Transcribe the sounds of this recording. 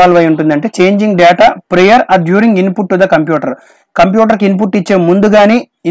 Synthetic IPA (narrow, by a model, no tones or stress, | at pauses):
aːluʋɐjuɳʈund̪ɐɳʈe̞ːt͡ʃe̞ːɲd͡ʒiŋɡɖɛːʈaːpɾejɐɾɐdjuːɾiŋɡinpuʈːud̪ɐkɐmpjuːʈɐɾ | kɐmpjuːʈ̬ɐɾk̬inp̬uʈːit͡ʃːeːmːund̪uɡaːneː | i